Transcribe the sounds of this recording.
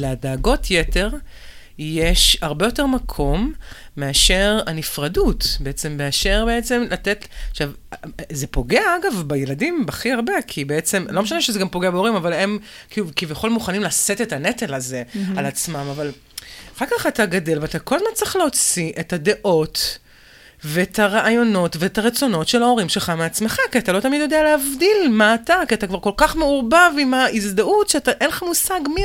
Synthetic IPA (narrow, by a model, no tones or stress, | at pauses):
leadaːɡo̞tʰjete̞ʁ | jeʃaʁbejo̞te̞ʁmakʰo̞mːe̞aʃeʁanifʁadutbeet͡se̞mːe̞aʃe̞ʁbe̞et͡se̞mlate̞taʃavze̞po̞ɡeaaɡavbeje̞ladimbaχiaʁbekʰibeet͡se̞mlo̞meʃaneʃezeɡampoɡeabeoʁimavale̞m | kilukivjeχo̞lmuχanimlasete̞tanetelaze̞alat͡smamaval | aχalkaχataɡade̞lveatako̞lazmant͡sʁiχleot͡siʔetade̞ʔo̞t | veetʰaʁaʔajo̞no̞tveetaʁet͡so̞no̞tʃe̞lao̞ʁimʃeχameat͡sme̞χakiat̪alo̞tamidjo̞dealeavdilmaːtakiatakvaʁko̞lkaχme̞uʁbavimaizd̪aʔutʃeataʔenleχamusaɡmi